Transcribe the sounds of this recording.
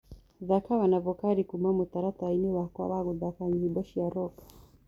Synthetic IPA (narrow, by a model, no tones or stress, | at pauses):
ðakawanavɔkaɾikumamut̪aɾataainɛwaka̰waɣuðakaɲiibɔʃiaɾɔkḁ